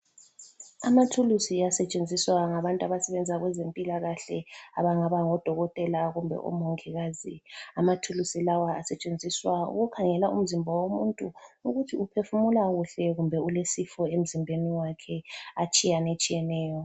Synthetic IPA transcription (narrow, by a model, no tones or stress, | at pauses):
amatʰulusiasɛt͡ʃʼend͡zʱiswaŋaβantʼaβasɛβɛnd͡zʱaɣwɛzempʼilaɣaɬɛa̰βaŋaβaŋɔd̥ʱɔɣɔtʼɛlaɣumbʱɛ̰ʔɔ̰mɔŋkʰʼɛɣaːziamatʰulusilawaasɛt͡ʃʼend͡zʱiswaṵɣukʰaŋɛlaṵm̩zimbʱɔwomuntʼuuɣutʰiupʰefumulaɣuɬɛɣumbʱɛulesifɔem̩zimbʱeniwakʰɛat͡ʃʼijanet͡ʃʼijɛnɛːjɔ